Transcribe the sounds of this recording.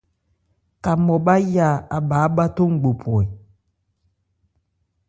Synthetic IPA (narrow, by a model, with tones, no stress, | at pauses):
ka˨mɔ˨ba˦ja˦˨a˨baː˨˦ba˦to˦ŋ̩˨ɡ͡bo˨pʰɔ˨ɛ˨